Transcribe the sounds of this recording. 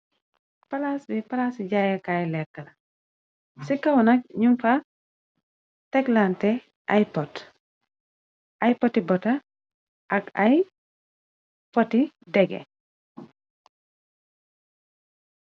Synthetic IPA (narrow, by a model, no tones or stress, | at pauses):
pɐlasbipɐlaːsiɟajɐkajlɛkːɐlɐ | sikːɐwnɐk̚ɲumfa | tɛklantɛ | ʔajpɔt | ʔajpɔtibɔtɐ | ʔɐkaj | pɔtidɛɡɛ̰